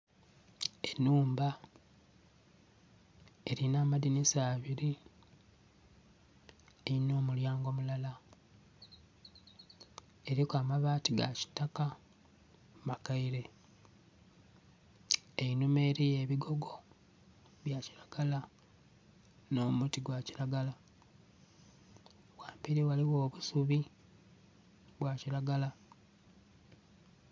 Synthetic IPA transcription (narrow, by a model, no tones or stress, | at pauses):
enːuːmba | eɾinaːmadinisaːβiɾi | eino̞ːmuljaːŋɡo̞mulala | eɾikwaːmaβaːtiɡa̰ci̥taka | makaiɾe̞ | einumeːɾije̞βiɡo̞ɡo̞ | βjaci̥ɾaɡ̥ala | no̞mutiɡwaciɾaɡala | waːmpiɾiwaliwo̞ːβusuβi | βwaciɾaɡala